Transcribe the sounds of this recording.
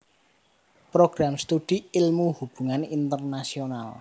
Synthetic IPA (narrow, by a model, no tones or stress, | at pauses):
pɾoɡ̥ɾamst̪uɖ̥iilmuhub̥ṳŋanint̪ərnasional